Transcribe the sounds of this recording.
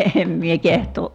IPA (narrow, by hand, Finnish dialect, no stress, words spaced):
eːm mie kehtˑoːʔ